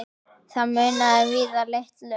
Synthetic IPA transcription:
θamʏːnaðɛvɪːðaleht̪lœ

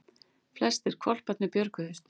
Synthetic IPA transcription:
flɛst̪ɪɾ̥kʰvɔl̥pat̪nɪpjœɾkʏðʏst̪

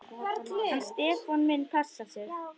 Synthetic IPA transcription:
hanːst̪ɛːfɔnmɪnpʰɛsːasɛɣ

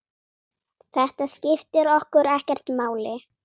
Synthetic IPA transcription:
θɛht̪ascɪft̪ɪɾɔhkʏɾɛhcɛr̥t̪maːwlɪ

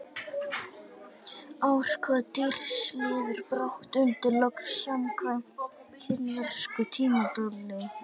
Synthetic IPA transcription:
aːwr̥kʰvaðt̪ɪr̥slɪːðɪɾpɾawht̪ʏnt̪ɪɾlɔksamkʰvajɔkʰɪnvɛr̥skʏt̪ʰiːmat̪ɔlːɪ

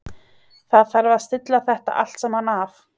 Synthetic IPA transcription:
θaðθaɾvast̪ɪt̪laθɛht̪a̰ʔa̰l̥t̪sɛmhanːaf

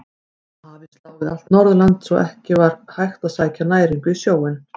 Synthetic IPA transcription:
havɪslaːwðɪðal̥t̪nɔɾðʏlant̪sɔʔɛhcɪvaɾhajxt̪aðsaːjcanaːjɾiŋkʏisjoːwɪn

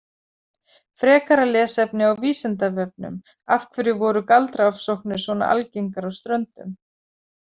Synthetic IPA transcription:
fɾɛːkaɾalɛːsɛpnɪawviːsɛnt̪avɛp̚nʏ̰m | afkʰvɛɾjɪvɔːɾʏkalt̪ɾaafsowhknʏ̥svɔna̰ʔa̰lceŋkaɾawst̪ɾœnt̪ʏm

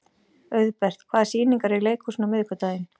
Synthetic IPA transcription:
œɥðpɛr̥t̪kʰvaːðsiːniŋkaɾɪɣleːjkʰusnamɪðɪkʏt̪aːjɪn

